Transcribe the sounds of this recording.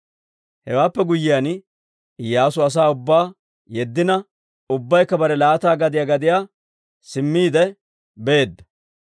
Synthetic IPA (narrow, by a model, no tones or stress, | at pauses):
hɛwaːpːɛɡʊjːɪjan | jaːs̬ʊɐs̬aːʊbːaː | jɛd̪ːɪnɐ | ʊbːɐjkːɐbɐɾɛlaːt̪aːɡɐd̪ɪjaːɡɐd̪ɪjaː | sɪmːiːd̪ɛ | be̞ːd̪ːɐ̥